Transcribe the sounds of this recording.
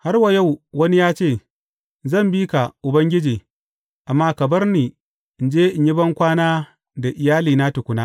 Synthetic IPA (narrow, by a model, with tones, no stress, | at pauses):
ha˦rwa˨ja˦˨wwɐ˦ni˦jaː˦t͡ʃeː˦˨ | zɐ˦˨mbiː˦ka˨ʔʊ˨bɐ˦ŋɡʲɪ˦d͡ʒiː˨ | ʔa˨mːaː˦kɐ˨bɐ˦rniː˨ | ʔɪ˨nd͡ʒeː˦ʔɪ˨ɲjɪ˦bɐ˦ŋkʷaː˦naː˦ | da˨ʔɪ˨jaː˦liː˨na˦tʊ˨kʷʊ˨na˦